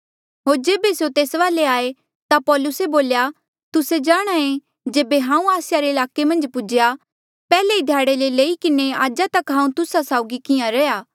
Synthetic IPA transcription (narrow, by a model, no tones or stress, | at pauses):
ɦoːɾd͡ʒeːbesjot̪eːsʋaːleaːe | t̪apɔːlʊseboːlja | t̪ʊsed͡ʒaːɽ̃aẽ | d͡ʒeːbeɦãːũaːsɪjaɾeɪlaːkemɐ̃nd͡ʒpʊd͡ʒja | pɛːleid̪ʱjaːɽeleleːikɪneaːd͡ʒat̪ɐkɦãːũt̪ʊsasaːʊɡikɪjãɾɛjaː